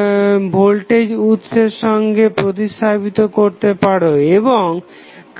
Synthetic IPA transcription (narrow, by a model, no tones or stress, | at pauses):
bʱolʈed͡ʑut̪ːʃeɾʃɔŋɡepɾot̪̬iʃt̪ʰapit̪okoɾt̪epaɽoeboŋ | k